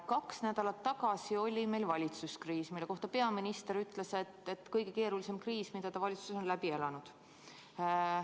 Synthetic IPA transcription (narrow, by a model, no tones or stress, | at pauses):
kɑksnæd̪̥ɑlɑt̪ːɑɡɑsio̞lʲime̞jlvɑlʲit̪suskriːsmilːko̞ht̪ɑpe̞ɑminist̪eɾyt̪ːˑle̞se̞t̪et̪ːkɤjɡ̥e̞ke̞ːɾulise̞mkriːsmid̪̥ɑt̪ɑvɑlʲit̪su̥sonlæb̥ie̞lɑnud̪̥